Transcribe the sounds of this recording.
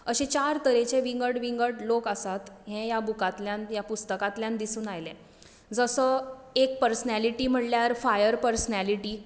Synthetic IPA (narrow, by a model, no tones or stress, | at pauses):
əɕẽt͡ɕaɾt̪əɾẽt͡ɕẽʋiŋɡəɽʋiŋɡəɽlokəsat̪ɦẽjabukat̪ljãnjapust̪əkat̪ljãnd̪isuːnajlẽ | d͡zəsəek̚pəɾsnæliʈiːm̤əɳljaɾfajəɾpəɾsnæliʈiː